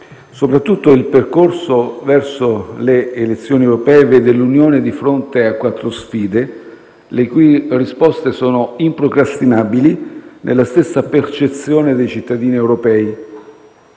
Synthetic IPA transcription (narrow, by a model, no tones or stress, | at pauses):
sopɾat̪ːut̪ːoilperkorsovɛrsoleːlet̪sːjoːniewɾopɛːeved̪elunjoːned̪ifɾont̪eakːwat̪ːɾosfiːd̪e | lekuujrispɔst̪esɔːnoimpɾokɾast̪inabilinʔḛlːast̪esːapert͡ʃet̪sːjoːned̪ejt͡ʃit̪ːad̪iːniewɾopɛːi